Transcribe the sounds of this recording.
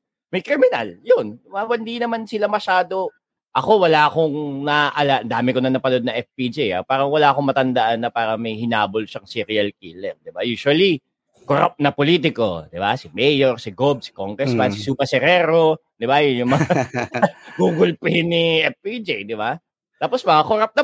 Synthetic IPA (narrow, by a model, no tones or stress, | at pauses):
mɐjkɾɪmɪna̰ljond̪ɪbawɐnd̪inɐmansɪlamɐʃaːd̪o̞ | ʔɐko̞wɐlaːkoŋnɐʔɐlaɐnd̪aːmɪkonɐnɐpɐlod̪̚nɐŋʔɛfpid͡ʒija̰paːɾɐŋwɐlaːko̞ŋmɐt̪ɐnd̪ɐʔanːɐpaːɾɐmɐjhɪnaːbolʃɐŋsiɾɪɐlkiːlɛɾd̪ɪbajuːʃwɐli | koɾa̰p̚nɐpoliːt̪̬ɪko̞̰d̪ɪbasɪmɛjoɾsɪɡob̚sɪ̥koŋkɛsmɐnsɪsupɐsɛɾɛːɾo | d̪ɪbajʊnjʊŋmɐŋa | ɡuːɡʊlpɛjnːiʔɛfpid͡ʒijd̪ɪba | t̪aːpo̞smɐkakoɾap̚nɐ